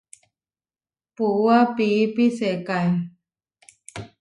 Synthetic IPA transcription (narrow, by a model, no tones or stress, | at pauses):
puwapiːpiseːkaj